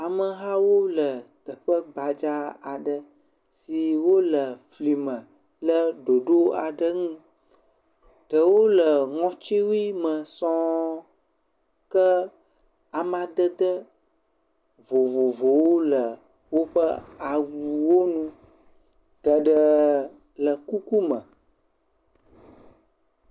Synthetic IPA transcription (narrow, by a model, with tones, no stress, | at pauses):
a˨mə˨ɦa˦wo˦lə˨t̪ə˨ɸə˦ɡ͡ba˨d͡ʒa˦a˨ɖə˨ | si˨wo˦lə˨fli˨mə̃˨ | lə˦ɖo˨ɖo˦a˨ɖə˦ŋũ˦ | t̪ə˨wo˦lə˨ŋɔ̃˦t͡ʃi˦wi˦mə̃˨sɔ̃˦ | kə˦ | a˨mã˨d̪ə˦d̪ə˦ | vo˨vo˨vo˨wo˦lə˨ | wo˦ɸə˦a˨wu˨wo˦nũ˦ | t̪ə˨ɖə˦ | lə˨ku˦ku˦mə̃˨